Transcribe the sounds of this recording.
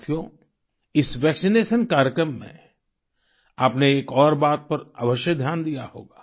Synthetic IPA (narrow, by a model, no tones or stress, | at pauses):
t̪ʰjõ | ɪsʋɛːksineːʃənkaːɾjəkɾəmːḛ̃ | aːpneeːkɔːɾbaːt̪̚pɐɾɐ̰ʋəʃjəd̪ʱjaːnd̪ija̰ho̰ːɡaː